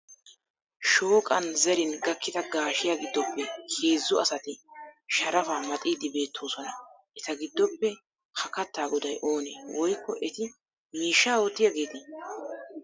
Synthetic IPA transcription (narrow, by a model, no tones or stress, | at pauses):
ʃo̞ːkʼɐnzɛɾɪnɡɐkːɪt̪ɐɡaːʃɪjaːɡɪd̪ːɔpːɛheːzːʊɐsɐt̪ɪʃɐɾɐfaːmɐt̪ʼiːd̪ɪbe̞ːt̪ʰːoːsɔnɐ | ʔɛt̪ɐɡɪd̪ːɔpːɛ | hɐkɐt̪ːaːɡɔd̪ɐjʔo̞ːneːwɔjkːɔʔɛt̪ɪ | miːʃːaːot̪ːɪjɐɡeːt̪ɪ